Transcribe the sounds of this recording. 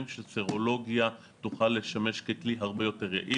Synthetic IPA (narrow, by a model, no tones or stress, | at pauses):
mʃeseʁo̞lo̞ɡja | tuχalːe̞ʃame̞ʃkekliɦaʁbejo̞te̞ʁḛʔi